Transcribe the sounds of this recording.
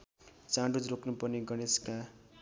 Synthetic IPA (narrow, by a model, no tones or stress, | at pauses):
t͡sãɖud͡zrokʰnupʌrniɡʌneska